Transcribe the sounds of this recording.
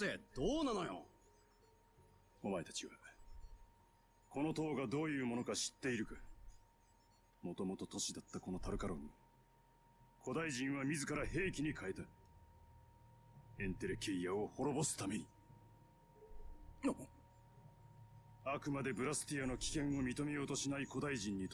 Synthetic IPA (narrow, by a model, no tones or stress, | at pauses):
ed̪̥oːnano̞jo̰ | omae̞t̪ḁt͡ɕiβa | ko̞no̞t̪o̞ːɡad̪o̞ːjɯ̟ːmo̞no̞kaɕi̥t̪ːe̞iɾɯ̟kḁ | mo̞t̪o̞mo̞t̪o̞t̪o̞ɕid̪at̪ːako̞no̞t̪ʰaɾɯ̟kaɾõ̞ɲ̟ːi | kʰo̞d̪aiʑĩɰ̃βamʲizɨkaɾahe̞ːkʲiɲ̟ikʰae̞t̪a | ẽ̞nt̪e̞ɾɯ̟ke̞ijaoho̞ɾo̞bo̞sɨ̥t̪ame̞ɲ̟i | akɯ̟mad̪e̞bɯ̟ɾasɨ̥t̪ʲijano̞kʲi̥kẽ̞ɰ̃o̞mʲit̪o̞me̞jo̞ːt̪o̞ɕinaiko̞d̪aiʑĩɲ̟ːit̪